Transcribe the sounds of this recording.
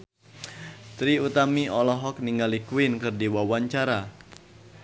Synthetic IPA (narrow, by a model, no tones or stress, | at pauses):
t̪ɾiut̪amiɔlɔɦɔk̚niŋɡalikuɪnkɨrdiwawaɲt͡ʃaɾa